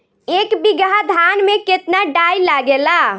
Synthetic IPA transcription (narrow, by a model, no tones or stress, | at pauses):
ekbiɡad̪ʱanmẽket̪naɖailaɡela